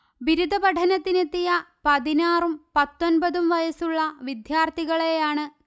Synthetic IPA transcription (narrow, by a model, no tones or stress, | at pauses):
ʋiɾud̪ʱɐbɐʈʰɐnɐt̪ːinet̪ːijɐpɐðinaːrumpɐt̪ːonbɐðumʋɐjɐsuɭːɐʋid̪jaːrt̪ʰiɣɐɭejaːɳɨ